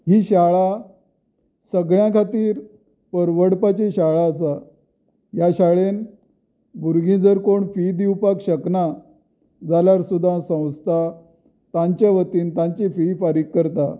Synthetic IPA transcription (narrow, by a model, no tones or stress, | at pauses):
ɦiːɕaɭa | səɡɭjãkʰat̪iːɾ | pəɾʋəɽpat͡ɕeɕaɭaəsa | jaɕaɭen | buɾɡĩd͡zəɾkoɳfid̪iwpakɕəkna | d͡zalaɾsud̪ʱãsə̃w̃st̪ʰa | t̪aɲt͡ɕjaʋət̪iːnt̪ãɲt͡ɕififaɾikːəɾt̪a